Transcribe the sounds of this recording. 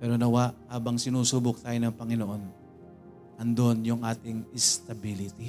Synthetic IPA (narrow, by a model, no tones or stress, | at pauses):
pɛːɾo̞nɐwaʔhaːbɐŋsɪnuːsuːbʊk̚t̪aːjonɐŋpɐŋɪnoʔo̞n | ʔɐnd̪oʔonjʊŋʔaːt̪ɪŋɪst̪ɐbilɪt̪i